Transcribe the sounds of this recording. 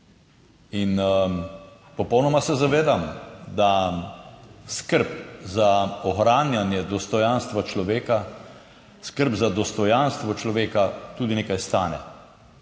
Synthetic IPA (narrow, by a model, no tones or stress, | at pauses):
in | pɔpɔwnɔmasɛzaʋeːd̪amd̪a | skəɾpzaɔxɾaːnjanjɛd̪ɔst̪ɔjanst̪ʋat͡ʃlɔʋeːka | skəɾpzad̪ɔst̪ɔjanst̪ʋɔt͡ʃlɔʋeːkat̪uːd̪ineːkajst̪aːnɛ̰